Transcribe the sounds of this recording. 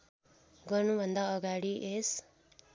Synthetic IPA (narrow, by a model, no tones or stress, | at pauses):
ɡʌrnubʱʌnd̪aʌɡaɽiʔes